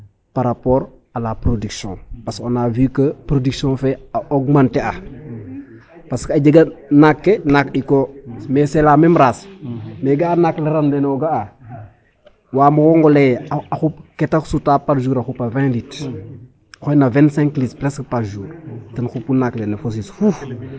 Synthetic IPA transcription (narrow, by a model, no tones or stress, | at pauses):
paɾapɔːɾ | alapɾodiksjɔ̰̃pasonavikəpɾodiksjɔ̃fɛoɡmantɛa | paskaɟəɡanakːenakɗikomɛsɛlaːmɛmɾasmɛɡaanakleɾanlenoɡaa | waːmukoŋɡɔlɛjaxupkɛtaksutapaɾʒuːɾaxupavɛ̃lit | xojnavɛ̃nsɛ̃ŋklispɾɛskpaɾʒuːɾtɐnxupunaklenefos̬isfuf